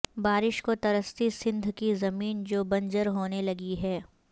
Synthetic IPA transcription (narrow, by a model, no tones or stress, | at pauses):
baːɾɪʃkot̪ɐɾəst̪isɪ̃nd̪ʱkizɐmiːnd͡ʒoːbɐ̃ɲd͡ʒəɾɦoːnelɐɡiɦɛː